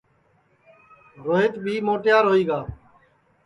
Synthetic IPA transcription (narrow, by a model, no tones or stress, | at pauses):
ɾoːɦɪt̪bʱiːmoːʈjaːɾɦoːiːɡaː